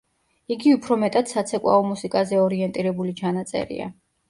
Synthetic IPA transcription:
iɡiupʰɾɔmɛt̪ʼad̪̥sat̪sʰɛkʼwa̰ɔmusikʼazɛɔɾiɛnt̪ʼiɾɛbulit͡ʃʰanat̪sʼɛ̰ɾḭa̰

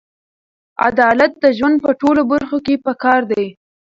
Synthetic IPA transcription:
a̰d̪ɑlat̪̚d̪əʒwand̪̚pəʈolobaɾxokepəkɑɾd̪aj

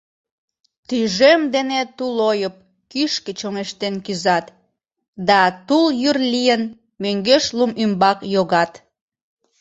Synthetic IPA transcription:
t̪yʒemd̪enet̪ulojəp̚ | kyʃket͡ɕoŋeʃt̪enkyzɑt̪ | d̪ɑt̪uljyrlijən | møŋɡeʃlumymbɑkjoɣɑt̪

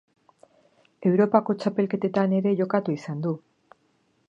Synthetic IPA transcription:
e̞wɾo̞pako̞t͡ʃape̞lke̞t̪e̞t̪ane̞ɾe̞ʝo̞kat̪uisand̪u

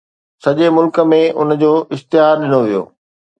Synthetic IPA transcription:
sɐʄemʊlkə̆mẽʔʊ̰nd͡ʑoːʔɪst̪ɪɦaːɾɗɪnoʋijo̰ː

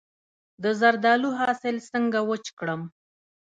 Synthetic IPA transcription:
d̪əzaɾd̪ɑluɦɑsɪlsəŋɡawət͡ʃkɽəm

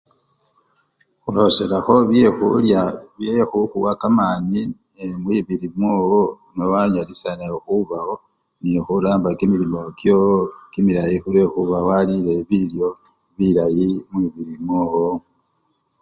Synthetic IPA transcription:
xulo̞selaxo̞βjexuljaβjexuxuwakamaːni | emwiβiɾimwoːwo | mwewaɲalisanexuβaho̞ | nixuɾaːmbakimilimo̞kjokimiɾajixuɾe̞xuβawalile̞βiljo̞ | βiɾajimwiβiɾimwoːwo

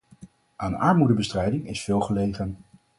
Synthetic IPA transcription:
ʔaːnɑ̰ɹmudəbəstrɛjdɪŋɪsfɪːlˠχəlejχən

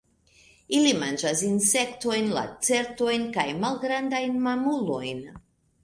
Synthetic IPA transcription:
ilimand͡ʒas̬inse̞kto̞jnla̰t͡se̞ɾto̞jnkajmalɡɾandajnmamulo̞jn

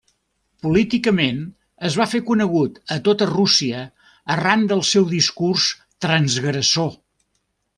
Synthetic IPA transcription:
pulit̪ikəmen | əzβ̞afekunəɣ̞ut̪ət̪ot̪ərusiəː | rand̪əlˠsɛwðiskurs | t̪ɾənzɣɾəso

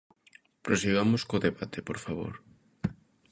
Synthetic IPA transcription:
pɾosiɣamoskoðeβat̪ʰepoɾfaβo̰ɾ

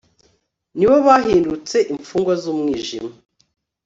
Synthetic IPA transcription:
niβo̞βaːɦiːndut͡se̞ʔiɱfuːŋɡwazumŋiːʒḭma

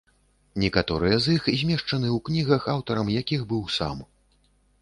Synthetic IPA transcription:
nʲɛkat̪ɔɾɨjɛzixzʲmʲɛʂt͡ʂɐnɨwknʲiɣɐxawt̪ɐɾɐmjakʲiɣbɨwsa̰m

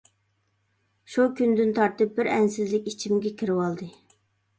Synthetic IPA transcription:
ʃukʲynd̪ɪnt̪ʰɑɾt̪ɨp̚bɪɾɛnsɪzlɪkʲit͡ʃʰimɡʲɛkʲʰiɾɪwɑlˠd̪ɨ

